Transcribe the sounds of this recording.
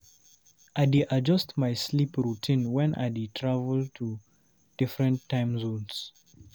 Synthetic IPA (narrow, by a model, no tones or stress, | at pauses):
ʔaɪdiʔad͡ʒʌstmaɪslipɹutʰĩnwɛ̃nʔa̰ditʰɹavəltʰu | d̥ɪfɹə̃ntʰːãɪ̃mzõns